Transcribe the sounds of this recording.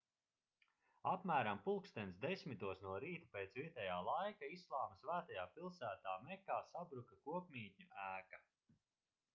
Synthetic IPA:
apmæːɾampulˠkst̪ɛnsd̪esʲmit̪uɔsnuɔɾiːt̪upeːt̪svʲiɛt̪ɛjaːlˠajkaislˠaːmɐsvæːt̪ajaːpilˠsæːt̪aːmɛkaːsabɾukakuɔpmʲiːt̪ʲɲuæːka

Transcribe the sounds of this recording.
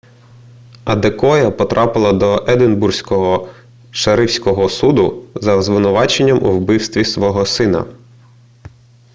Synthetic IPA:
ɐd̪ekɔjɐpɔt̪ɾʔɑpɪlˠɐd̪ɔʔɛd̪ɪnbursʲkɔɦɔ | ʃɐɾɪwsʲkɔɦɔsud̪ʊzɐzʋɪnʊʋɑt͡ʃenʲːɐmʔṵwbɪwst̪ʋʲisʋɔɦɔsɪnɐ̰

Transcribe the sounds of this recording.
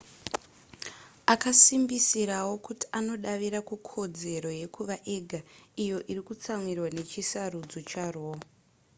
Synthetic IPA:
akasimbisiɾawo̞kuti̥ano̞ɗaʋiɾakukʰo̞d͡ze̞ɾo̞je̞kuʋaʔe̞ɡʱaijo̞ʔirikut͡samwirwane̞t͡ʃisarud͡zo̞t͡ʃaro

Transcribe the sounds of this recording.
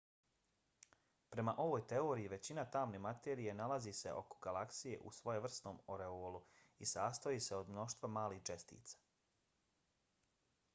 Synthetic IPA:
pɾe̞maʔo̞ʋoːjt̪e̞o̞ːɾijiʋe̞t͡ɕinat̪aːmne̞ːmat̪eːɾije̞nalaziːse̞̰ʔo̞̰ko̥ɡalˠaksije̞̰ʔṵsʋo̞jeʋr̩st̪no̞ːmo̞ɾe̞oːlˠu | isaːst̪ojiːse̞o̞d̪mno̞ʃt̪ʋamaːlixt͡ʃe̞st̪ḭːt̪sḁ

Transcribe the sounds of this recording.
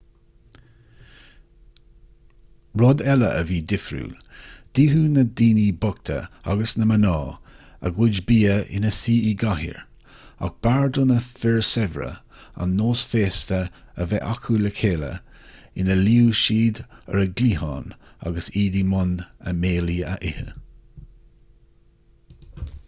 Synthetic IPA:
ɹɔd̪ɛlə̰ʔəviːd̪ɪfɾṵːd̪̥iːɦuːnəd̪iːniːbʊk̚t̪ʰə̰a̰ɡəsnəmənɑː | ə̰ɡwʊd͡ʒbiːəɪ̰nəsiːiɡahḭɹ | a̰k̚b̥aɹd̪ʊnəfɪɹsɛvɾə̰ | a̰nːoːsfeːst̪ə | əvɛʔakʰuləkʰeːlə̰ | ɪnəliːwʃiːd̪ə̰ɾəɡliːhɑ̰ːna̰ɡəsiːdimʊnə̰meːliːə̰ʔɪhə̰

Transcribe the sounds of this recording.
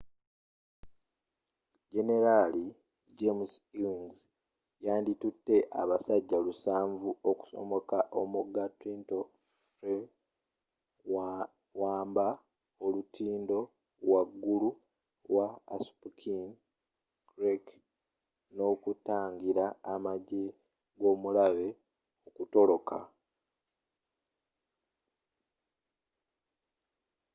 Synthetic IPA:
ɟe̞ne̞ɾali | d͡ʒemsiŋz | jaːnditutːe̞ʔa̰βasaɟːalusaːɱvuoku̥so̰mo̞kaʔo̞muɡːatinto̞ | fɾe | waːmba | olutiːndo̞ | waɡːulu | lwaːspukʰin | ɡɾek | no̞ːkutaːŋɡiɾaːmaɟe | ɡo̞ːmulaβe̞ | okuto̞lo̞kʰa̰

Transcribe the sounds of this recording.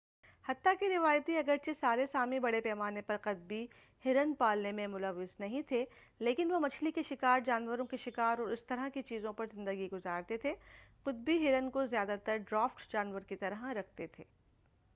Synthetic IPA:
hɐt̪ːakiɾɪʋaːjt̪iɐɡəɾt͡ʃesaːɾesaːmibɐɽepɛːmaːnepɐɾqɐt̪̚bi | hɪɾənpaːlnemẽmʊləʋːɪznɐɦĩt̪ʰe | leːkɪnʋomɐt͡ʃʰlikeʃɪkaːɾd͡ʒaːnʋəɾõkiʃɪkaːɾɔːɾɪst̪ɐɾakit͡ʃiːzõpɐɾzɪ̃nd̪əɡiɡʊzaːɾt̪et̪ʰeqʊt̪̚biɦɪɾənkozjaːd̪at̪ɐɾɖɾaːfʈd͡ʒaːnʋəɾkit̪ɐɾɦãɾɐk̚ʰt̪et̪ʰeː

